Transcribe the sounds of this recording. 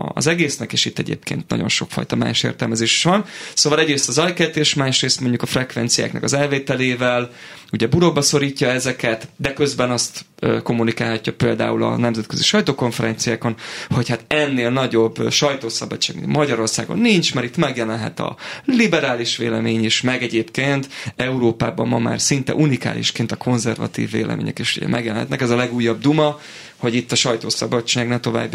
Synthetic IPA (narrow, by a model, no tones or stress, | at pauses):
zɛɡeːsnɛkeːʃit̪ːɛɟḛːpkḛːnt̪nɒ̰ɟo̞nʃo̞̰kfɒ̰jt̪ɒma̰ːʃḛːrt̪ɛlmɛzeːʃi̥ʃʋɒnsoːʋɒlɛɟɾeːst̪ɒzɒjkɛt̪eːʃmaːʃreːst̪mo̞ɲɟukɒfrɛkvɛnt̪sija̰ːknɛ̰kɒzɛlveːt̪ɛleːvɛl | uɟɛbuɾobːɒso̞ɾiːcːɒɛzɛkɛt̪d̪ɛkø̞zbɛnɒst̪ | øko̞mːunikaːlɦɒcːɒpeːld̪a̰ːulɒ̰nɛmzɛt̪køziʃɒjt̪oːko̞ɱfɛɾɛnt̪sijaːko̞nho̞chat̪ɛnːeːlnɒɟo̞bːʃɒjt̪oːsɒbɒt͡ʃt͡ʃːaːɡmḭmɒɟɒɾo̞rsaːɡo̞̰nːint͡ʃmaɾit̪mɛɡjɛlɛnɦɛ̰t̪ɒ̰libɛɾaːliʃʋḛːlɛmeːɲiʃmɛɡɛɟeːpkeːnt̪ɛuɾoːpaːbɒmːɒma̰ːrsint̪ɛ̰ʔunika̰ːlʔḭʃkeːnt̪ɒkʰo̞nzɛrvɒ̰t̪ḭːvːḛːlʔɛ̰mḛːɲɛ̰keːʃṵɟɛ̰mɛ̰ɡjɛlɛnhɛ̰t̪nɛkɛzɒlɛɡuːjːɒb̚d̪umɒ | ho̞ɟit̪ːɒʃɒjt̪oːsɒbɒt͡ʃːaːɡnɛt̪o̞va̰ːbj